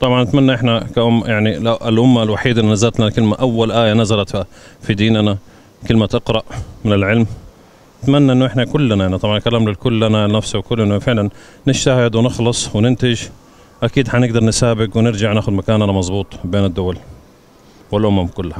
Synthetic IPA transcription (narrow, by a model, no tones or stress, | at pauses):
t̪ˤɑbʕɑnːɪt̪manːaʔɪħnakaʔʊmːjaʕniʔlʔʊmːalwaħiːd̪ʔɪnːnazalt̪lakɪlmaʔawːalʔaːjanazalat̪fid̪iːnna | kɪlmat̪ɑqɾˤɑʔmɪnɪlʕɪlm | nɪt̪manːaʔɪnːʊʔɪħnakʊlːnaʔaʕnit̪ˤɑbʕɑnkalaːmlɪlkʊlːananafsawkʊlːnafɪʕlanː | ɪʃt̪ahɪd̪wɪnɪxlɑsˤwɪnɪnt̪ɪʒ | ʔakiːd̪ħanɪɡ̚d̪ɑɾˤnɪsaːbɪɡwɪnɪɾd͡ʒaʕnaːxʊd̪makaːnʔanamɑzˤbuːt̪ˤbeːnɪd̪ːʊwal | wɪlʔʊmamkʊlːha